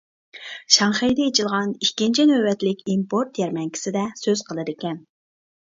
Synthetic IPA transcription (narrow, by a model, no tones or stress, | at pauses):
ʃɑŋχejd̪ɛet͡ʃʰilˠʁɑnikʲːint͡ʃʰinøbɛt̪lɪkʲimpʰoɾt̪jɛɾmɛŋkʲʰi̥sɪd̪ɛsøz̥qʰəlˠɨd̪ɪkʲɛn